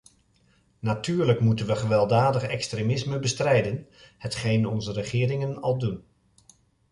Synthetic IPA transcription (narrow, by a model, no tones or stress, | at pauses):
natyːɹləkmutənʋəχəʋɛlˠdaːdəχɛkstremɪsməbəstrɛjdənhətχejnɔnzərəχɪːɾɪŋənɑlˠdun